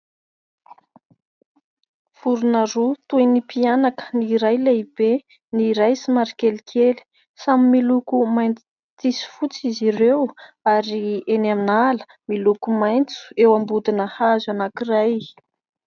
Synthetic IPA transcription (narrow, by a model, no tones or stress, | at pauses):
fuɾunaɾut̪ujnipianakə̥niɾajlaibe | niɾajsimaɾikelikʰeli̥ | samimilukumajnt͡s | t͡s̪isi̥fut͡siziɾew | aɾienaminalə̥ | milukumajnt͡su̥ewambud̪inəhazanakiraj